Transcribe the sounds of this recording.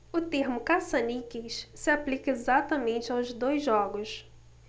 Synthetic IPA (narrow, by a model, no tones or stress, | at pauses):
ʊt̪eɾmʊkasɐnikissɪaplikɐezat̪ɐmẽnt͡ʃɪawzd̪ojzɔɡʊs